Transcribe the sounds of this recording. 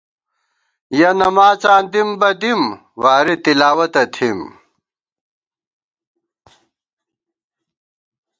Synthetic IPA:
jɐnɐmaːt͡saːnd̪imbɐd̪im | waːɾit̪ilaːwɐt̪ɐt̪ʰim

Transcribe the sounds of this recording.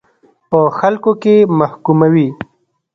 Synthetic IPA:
pəxalkokemahkumawi

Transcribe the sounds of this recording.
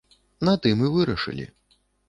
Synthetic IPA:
nat̪ɨmɨvɨɾɐʂɨ̰lʲḭ

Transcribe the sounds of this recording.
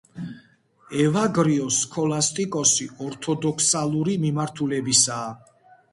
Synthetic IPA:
ɛvaɡɾiɔskʰɔlast̪ʼikʼɔsiɔɾt̪ʰɔd̪ɔkʰsalˠuɾimimaɾt̪ʰulɛbisaː

